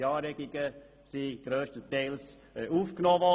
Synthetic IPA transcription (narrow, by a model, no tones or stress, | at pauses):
ɑːɾɛɡ̥iɡ̥ə | siɡ̥ɾøːstətɛɪls | uːfknoːvɔ